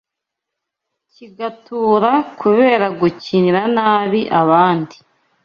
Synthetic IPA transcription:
ciɡatuːɾakʰuβe̞ːɾaɡuciniɾanaːβiʔaβaːndi

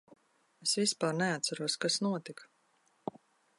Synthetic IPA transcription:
esvispaːɾnɛat̪saɾuɔskasnuɔt̪ik

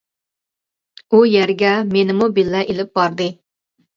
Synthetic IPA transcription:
ujæɾɡʲɛmenɪmubilːɛʔelɪp̚bɑɾd̪ɨ

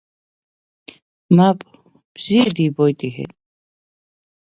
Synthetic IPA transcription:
mapʰʼ | b̥z̥iɛd̪iːbɔjt̪ʼiɦɛ̰

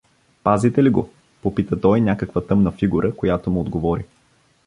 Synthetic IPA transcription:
pazit̪ɛliɡo̰ | popit̪ət̪ɔjnʲakəkvət̪ɤmnɐfiɡuɾʔəkojat̪omuod̪ɡovɔɾi

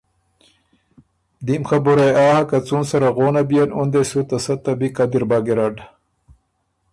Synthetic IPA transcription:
d̪imxɐbuɾejaːhɐkɐt͡sunsɐɾaɣoːnɐbijɐnund̪esut̪ɐsɐt̪ːɐbikad̪iɾbaːɡeɾaɖ

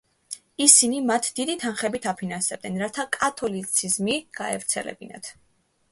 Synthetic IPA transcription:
isinimat̪ʰd̪id̪it̪ʰanχɛbit̪ʰapʰinansɛb̥̚d̪ɛnɾat̪ʰakʼat̪ʰɔlit̪sʰizmiɡ̥aɛvɾt̪sʰɛ̰lɛ̰bina̰t̪ʰ

